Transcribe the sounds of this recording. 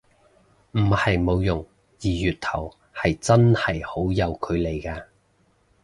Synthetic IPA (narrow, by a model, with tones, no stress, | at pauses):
m̩˨˩hɐ˨jmo˨˧wjʊ˨˩ŋ | jiː˨˩jyː˨˩t̚t̪ʰɐ˨˩w | hɐ˨jt͡sɐ˥nhɐ˨˩jho˨˥wjɐ˨˧wkʰɵ˨˧ɥle˨˩jkaː˧